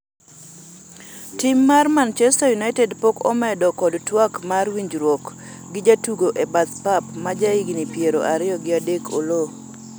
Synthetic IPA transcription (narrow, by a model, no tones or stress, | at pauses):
timːarmant͡ʃɛstajunaɪtɛdpokɔ̰mɛdɔkɔdtwakmarwiɲd͡ʒɾwok | ɡɪd͡ʒatuɡoʔebat̪papmad͡ʒaɪɡnipjeɾoʔaɾɪɔɡɪadekʰo̰lo